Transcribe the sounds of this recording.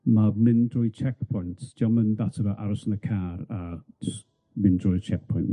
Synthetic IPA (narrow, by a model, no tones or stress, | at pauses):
mamɪndrɔjt͡ʃʰɛkpʰɔjntʰd͡ʒ̥aməndatʰəɾəʔaɾɔsənəkʰaːɾad͡ʒs | mɪndrɔjt͡ʃʰɛk̚pʰɔjn